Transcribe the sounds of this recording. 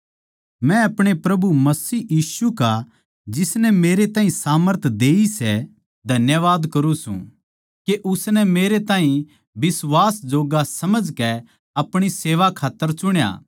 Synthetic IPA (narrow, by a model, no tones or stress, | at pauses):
mɛ̃ɐpɽ̃epɾɐbumɐsiːjiːsuka | d͡ʒɪsnɛmeːɾet̪ãːĩsaːməɾt̪ʰd̪eːisɛ | d̪ʱɐnjəʋaːd̪kɐɾũsṵ̃ | keʔʊsnɛmeːɾet̪ãːɦĩ | bɪsʋaːsd͡ʒoːɡasɐməd͡ʒkɛ | ɐpɽ̃iseːʋakʰaːt̪ːəɾt͡ʃʊɽ̃ja̰ː